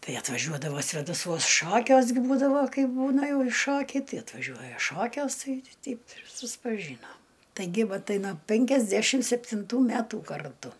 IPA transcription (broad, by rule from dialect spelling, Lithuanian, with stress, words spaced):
ˈtɐɪ ɐtʋɐˈʒʲuɔdɐʋoː sʲʋʲeːdɐˈsuɔs ˈʃoːkʲuɔs ɡʲɪ ˈbuːdɐʋoː ˈkɐɪp ˈbuːnɐ ˈjɛʊ ɪ ˈʃoːkʲɛɪ ˈtɐɪ ɐtʋɐˈʒʲuɔjɛ ˈʃoːkʲuɔs ˈtɐɪ ˈtʲɛɪp ɪr sʊspɐˈʒʲiːnoːm tɐɪˈɡʲɪ ˈʋɐ ˈtɐɪ noː pʲɛŋʲkʲɛzʲˈdʲæʃʲɪm sʲɛpʲtʲɪnˈtuː ˈmʲætuː kɐrˈtʊ